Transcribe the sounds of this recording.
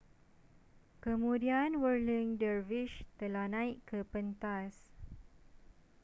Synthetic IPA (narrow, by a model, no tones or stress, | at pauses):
kəmũdianwəɹliŋdəɹviʃt̪əlahnãiʔkəpənt̪as